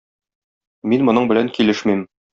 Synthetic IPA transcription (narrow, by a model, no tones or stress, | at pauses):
minmŏnɤɴbɘ̆læŋkilɘʃmim